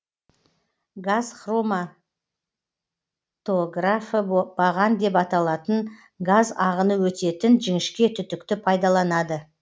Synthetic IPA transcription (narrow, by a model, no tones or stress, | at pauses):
ɡazχro̞ma | t̪o̞ɡrafəbɑʁɑnd̪e̞pɑt̪ɑlˠɑt̪ən | ɡazɑʁənəwɵt̪e̞t̪ɪnʒɪŋɪʃkʲe̞t̪ʰʏt̪ɪk̚t̪ɪpʰɑjd̪ɑlˠɑnɑd̪ə